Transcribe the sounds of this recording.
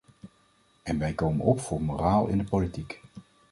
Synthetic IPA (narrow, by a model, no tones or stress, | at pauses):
ɛnʋɛjkowmə̰nɔpfʊːɹmoːraːlˠɪ̰ndəpolitik